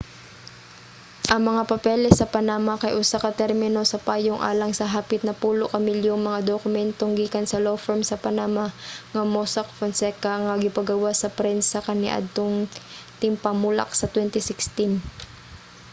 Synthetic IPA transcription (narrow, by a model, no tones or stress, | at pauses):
ʔɐŋmɐŋapɐpɛlɛsɐpɐnamakɐjʔʊsakɐt̪ɛɾmɪno̞sɐpaːjoŋʔa̰ːlɐŋsɐɦaːpɪt̪̚nɐpuːloʔkɐmɪljoŋmɐŋad̪okʊmɛnt̪oŋɡiːkɐnsɐlofɛɹmsɐpɐnamaŋɐmosɐkfɐnsɛkɐŋɐɡɪpɐɡɐwasɐpɾɛnsɐkɐnɛ̰ʔɐ̰d̪̚t̪oŋt̪ɪmpɐmulɐ̰k̚sɐt̪wɛnt̪ɪsɪkst̪in